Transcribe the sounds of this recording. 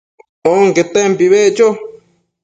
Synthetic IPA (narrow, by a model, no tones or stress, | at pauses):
oŋket̪empiβet͡ʃo